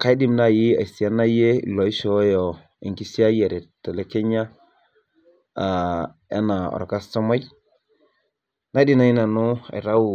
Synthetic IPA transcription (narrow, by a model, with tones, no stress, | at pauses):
ka˨˦i˦di˦˨mna˦˨ji˦a̰˨i˨si˨a˦na˦jḛ˦˨lo˨i˦ʃo˨˦jɔ˨ | ḭ˨ŋki˦si˦a˦je˨ɾɛ˨ta˨le˦ke˦ɲa˦ | a˨ | a̰˦na˨ɔ̰˨ɾka˦sto˦ma˦j | na˦di˦na˨ji˦na˨nu˦a̰˨ɾa˦wu˨